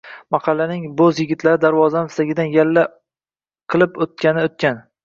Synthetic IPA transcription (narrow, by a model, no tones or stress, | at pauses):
mɑqʰɑlːanɪŋbɵzjɪɡʲɪt̪ʰlaɾɪd̪aɾvɒzanɪst̪aɡʲɪd̪anjalːa | qʰɨlˠɪpot̪̚kʲanɪot̪̚kʲan